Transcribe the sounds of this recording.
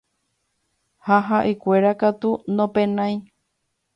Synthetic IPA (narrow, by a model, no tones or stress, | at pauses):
haɦaʔekʷeɾakat̪unõpẽnãĩ